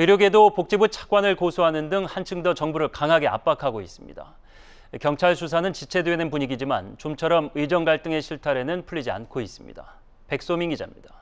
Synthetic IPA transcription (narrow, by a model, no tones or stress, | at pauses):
ɯɾjoɡe̞dopok̚t͡ɕ͈ibut͡ɕʰḁk̚k͈wanɯɭkosʰoɦanɯndɯŋhant͡ɕʰɯŋdʌt͡ɕʌŋbuɾɯɭkaŋɦaɡe̞a̰p͈akʰaɡois͈ɯmɲḭda̰ | kjʌŋt͡ɕʰaɭsʰus̬ʰanɯnt͡ɕit͡ɕʰe̞dwe̞nɯnpuɲiɡid͡ʑimant͡ɕomt͡ɕʰʌɾʌmɯid͡ʑʌŋɡaɭt͈ɯŋe̞ɕʰiɭtʰaɾe̞nɯnpʰuʎːid͡ʑia̰nkʰois͈ɯ̥mɲḭd̥a | pe̞k̚s͈omiŋɡid͡ʑa̰mɲid̥a